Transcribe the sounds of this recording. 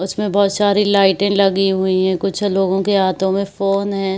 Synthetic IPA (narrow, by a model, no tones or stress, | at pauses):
ʊsmẽbɔːt̪saːɾilaːɪʈɪ̃lɐɡiɦʊiɦɛ̃kʊt͡ʃʰloːɡõkeɦaːt̪õmẽfoːnɦɛ̃ː